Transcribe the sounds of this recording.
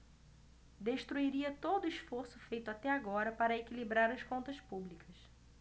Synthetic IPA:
d̪eʃt̪ɾuiɾiɐt̪od̪ʊiʃfoɾsʊfejt̪ʊat̪ɛaɡɔɾɐpaɾɐekilibɾaɾɐskõnt̪ɐspublikɐs

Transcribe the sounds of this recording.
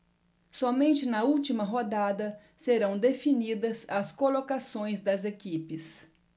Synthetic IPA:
sɔmẽnt͡ʃɪnɐuwt͡ʃimɐɦod̪ad̪ɐ | seɾɐ̃w̃d̪efinid̪ɐsɐskolokasõj̃zd̪ɐzekipɪs

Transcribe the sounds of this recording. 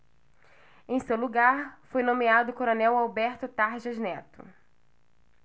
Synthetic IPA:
ẽj̃sewluɡaɾfojnõmiad̪ʊkoɾonɛwawbɛɾt̪ʊt̪aɾʒɐznɛt̪ʊ̰

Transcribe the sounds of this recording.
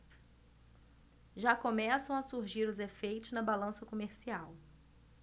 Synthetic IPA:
ʒakomɛsɐ̃w̃ɐsuɾʒiɾʊzefejt̪ʊznɐbalɐ̃sɐkomeɾsiaw

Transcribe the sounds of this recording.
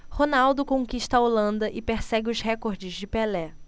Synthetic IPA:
honawd̪ʊkõkiʃt̪ɐolɐ̃nd̪ɐʔɪpeɾsɛɡɪʊzhɛkoɾd͡ʒɪzd͡ʒɪpelɛ

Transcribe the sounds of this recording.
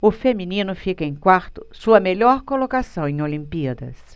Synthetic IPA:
ʊfemĩnĩnʊfikɐẽjkwaɾt̪ʊ̥suɐmeʎɔɾkolokasɐ̃w̃ẽj̃olĩmpiɐd̪ɐ̰s

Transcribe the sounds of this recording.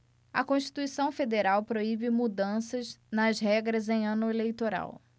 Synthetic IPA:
ɐ̰kõʃt͡ʃi̥t̪uisɐ̃w̃fed̪eɾawpɾoibɪmud̪ɐ̃sɐznɐzɦɛɡɾɐzẽj̃ɐ̃nʊelejt̪oɾa̰w

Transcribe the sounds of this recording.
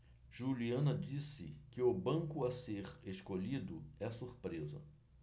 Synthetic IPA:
ʒ̥uliɐ̃nɐd͡ʒisɪkɪʊbɐ̃ŋkʊaseɾeʃkoʎid̪ʊɛsuɾpɾezɐ̰

